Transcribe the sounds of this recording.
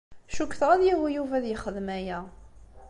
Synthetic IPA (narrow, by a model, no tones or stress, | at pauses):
ʃukːθʁæðjihijuvæðjəχəðmæjæ